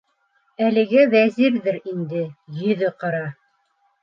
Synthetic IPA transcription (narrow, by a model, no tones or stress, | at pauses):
ælɘ̆ɡæwæziɾðɘɾind̪ɘjɵ̆ðɘqɑɾɑ